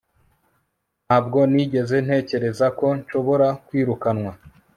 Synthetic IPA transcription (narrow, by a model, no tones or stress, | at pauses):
n̥aːb̚ɡo̞niɟe̞ze̞n̥he̞ːce̞ɾe̞zako̞ɲʃo̞βo̞ɾakwiːɾukanwa